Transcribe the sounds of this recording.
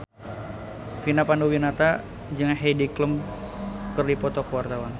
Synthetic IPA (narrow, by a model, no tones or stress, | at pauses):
finapanuwinat̪a | d͡ʒəŋanɦedikləm | kərdipɔt̪ɔkəwart̪awan